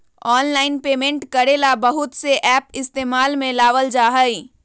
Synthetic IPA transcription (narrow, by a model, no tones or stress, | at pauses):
ɔːnlaːɪnpeːmẽɳʈkəɾeːlabəɦʊt̪seʔɛːpɪst̪eːmaːlmẽlaːʋəld͡ʒaːɦəi